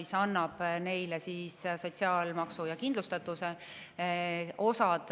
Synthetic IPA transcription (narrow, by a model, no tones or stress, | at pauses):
isɑnːɑb̥ne̞jlesiːsso̞tʲsiɑːlmɑksujɑkind̪lust̪ɑt̪ːˑuse | o̞sɑd̪̥